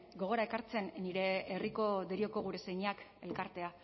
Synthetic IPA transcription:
ɡo̞ɣ̞o̞ɾaekaɾt͡se̞nːiɾe̞ːriko̞d̪eɾio̞ko̞ɣ̞uɾe̞se̞jɲeake̞lkaɾt̪e̞a

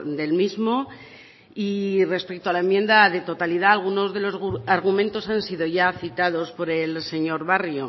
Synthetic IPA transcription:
d̪e̞lmizmo̞ | ire̞spek̚t̪oalaemjẽ̞nd̪aðe̞t̪o̞t̪aliðaːlɣ̞uno̞zðe̞lo̞zɣuaɾɣ̞umẽnt̪o̞sansiðo̞ʝaθit̪aðo̞spo̞ɾe̞lse̞ɲo̞ɾβarjo̞

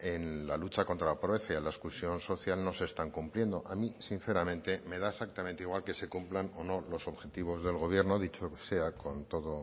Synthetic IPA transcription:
e̞nlalut͡ʃako̞nt̪ɾalapoɾe̞θaielaesklusjo̞nso̞θjalno̞se̞st̪aŋkumplje̞nd̪o̞ʔamisinθe̞ɾamẽ̞nt̪e̞me̞ð̞ae̞sak̚t̪ame̞nt̪eiɣwalke̞se̞kumplano̞no̞lo̞so̞βxe̞t̪iβo̞zðe̞lɣo̞β̞je̞ɾno̞ðit͡ʃoke̥se̞ako̞nt̪o̞ðo̞

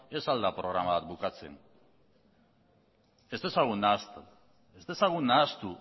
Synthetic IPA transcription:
e̞sald̪apɾo̞ɣ̞ɾamaβat̪̚bukat͡se̞̰n | e̞zd̪esaɣ̞unast̪ | ezd̪e̞saɣ̞unaːst̪u

